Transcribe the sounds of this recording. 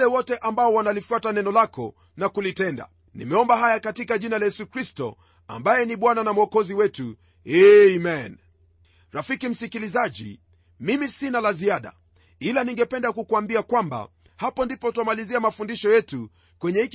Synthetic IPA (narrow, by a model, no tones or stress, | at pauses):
lɛwɔtɛʔambaɔwanalifuatanɛnɔlakɔ̰ | nakulitɛnda̰ | nḭmɛɔmbaɦajakatikaʄinalajɛsukɾistɔ̰ | a̰mbajɛniɓwananam̩ɔkɔziwɛtu | ɛmɛn | ɾafikim̩sikilizaʄḭ | mimisinalaziaɗa̰ | ilaniŋɡɛpɛndakukuambiakwamba̰ | hapɔndipɔtwamaliziamafundiʃɔjɛtu | kwɛɲɛhik